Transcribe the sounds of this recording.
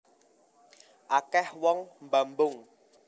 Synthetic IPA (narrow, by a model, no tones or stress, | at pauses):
ʔakɛhwɔŋmbambʊŋ